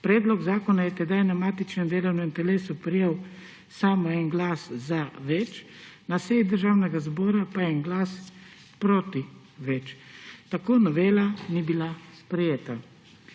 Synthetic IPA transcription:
pɾɛːd̪lɔɡzaːkɔnajɛt̪ɛd̪ajnamaːt̪it͡ʃnɛmd̪eːlɐwnuint̪ɛleːsupɾijew | saːmɔɛnɡlaːszaʋɛt͡ʃnaseid̪əɾʒaːwnɛɡazbɔːɾapajɛnɡlaːs | pɾoːt̪i | ʋɛt͡ʃt̪akoːnɔʋeːlanibilaspɾɛjeːt̪a

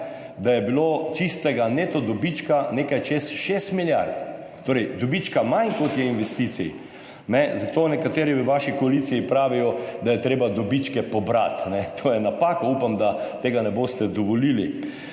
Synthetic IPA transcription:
d̪ajɛbilot͡ʃist̪ɛɡanet̪ɔd̪ɔbit͡ʃkaneːkajt͡ʃesʃest̪miljaɾt̪ | t̪oːɾɛjd̪ɔbit͡ʃkamankot̪jɛinʋɛst̪it̪sij | nɛzat̪oːnɛkat̪eːɾiʋaʃikɔalit̪sijipɾaːʋijɔd̪ajɛt̪ɾeːbad̪ɔbit͡ʃkɛpɔbɾa̰t̪nɛt̪ʰoːjɛnapaːkɔupamd̪at̪eːɡanɛbost̪ɛd̪ɔʋɔlilḭ

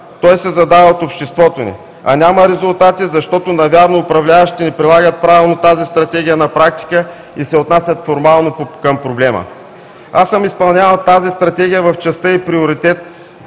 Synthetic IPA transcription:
t̪ɔjsɛzɐd̪avəot̪opʃt̪ɛst̪vɔt̪onḭ | ɐ̰nʲaməɾɛzʊlˠt̪at̪izɐʃt̪ɔt̪onɐvʲjaɾnoːpɾɐvlʲavɐʃt̪i̥t̪inipɾilˠaɡət̪̚pɾavʲilˠnot̪azist̪ɾɐt̪ɛɡʲijənɐpɾak̚t̪i̥kə | isɛot̪nasʲjət̪foɾmalˠnokəmpɾoblɛmə̰ | asəmispɐlˠnʲavəlˠt̪azist̪ɾɐt̪ɛɡʲijəvɐft͡ʃɛst̪əipɾioɾit̪ɛt̪̚

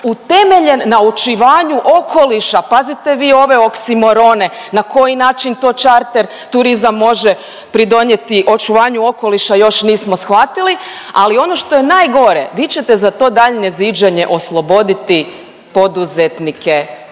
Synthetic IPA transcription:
ut̪e̞me̞ʎe̞nːaut͡ʃiʋaːɲuʔo̞kʰo̞liʃapazit̪eʋiːo̞ʋe̞o̞ksimo̞ɾo̞ne̞ | nakʰo̞jinaːt͡ʃint̪o̞t͡ʃaɾt̪eɾ | t̪uɾizamːo̞ʒe | pɾid̪o̞ɲet̪iʔo̞t͡ʃuʋaːɲuo̞ko̞liʃajo̞ʃniːsmo̞sxʋat̪ilialio̞no̞ʃt̪o̞jenaːjɡo̞ɾḛʋiːt͡ɕet̪ezat̪o̞ːd̪aʎnezid͡ʒeɲe̞ʔo̞slˠo̞bo̞d̪it̪i | po̞d̪uzet̪nikʰe

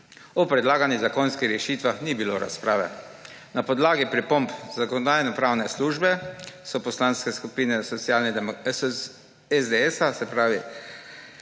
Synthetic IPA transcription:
ɔpɾɛd̪laːɡanizakɔnskixɾɛʃit̪ʋaxnibiloːɾa̰spɾaːʋɛ̰ | napɔd̪laːɡipɾipɔmpzakɔnɔd̪aːjnɔpɾawnɛsluːʒbɛsɔpɔslanskɛskupiːnɛsɔt̪sjaːlnɛ | ɛzd̪ɛɛsasɛpɾaːʋi

